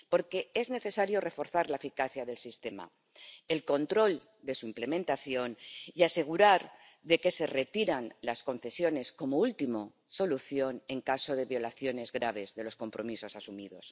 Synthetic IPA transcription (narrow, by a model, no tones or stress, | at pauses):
po̞ɾke̞e̞zne̞θe̞saɾjo̞re̞fo̞ɾθaɾlaefikaθjaðe̞lsist̪e̞ma̰ | e̞lko̞nt̪ɾo̞l | d̪e̞suimple̞mẽ̞nt̪aθjo̞niase̞ɣ̞uɾaɾ | ðe̞ke̞se̞re̞t̪iɾanlasko̞nθe̞sjo̞ne̞sko̞moult̪imo | so̞luθjo̞ne̞ŋkaso̞ð̞e̞βjo̞laθjo̞ne̞zɣɾaβe̞zðe̞lo̞sko̞mpɾo̞miso̞sasumiðo̞s